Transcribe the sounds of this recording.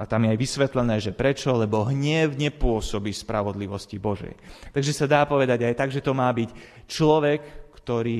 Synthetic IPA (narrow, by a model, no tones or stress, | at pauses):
at̪amjɛajʋisʋɛt̪lɛnɛːʒɛpɾɛt͡ʃɔlɛbɔɦɲɛwɲɛpʊɔsɔbispɾaʋɔd̪liʋɔscibɔʒɛ̰jt̪aɡʒɛsad̪aːpɔʋɛd̪aɟajt̪aɡʒɛt̪ɔmaːbic | t͡ʃlɔʋɛkːt̪ɔɾiː